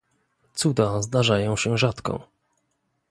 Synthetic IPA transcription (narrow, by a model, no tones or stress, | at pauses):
t̪sud̪azd̪aʐajɔ̃w̃ɕɛʐat̪kɔ̰̃